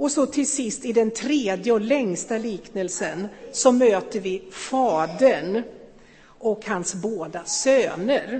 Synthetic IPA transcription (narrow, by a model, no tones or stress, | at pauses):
ɔsɔt̪ʰɪlsɪst̪ɪd̪ɛnt̪ʰɾeːd̪jəɔlɛŋst̪aliːknəlsənsɔmøːt̪əɾvɪfɑːd̪əɳ | ɔkhansboːd̪asøːnəɾ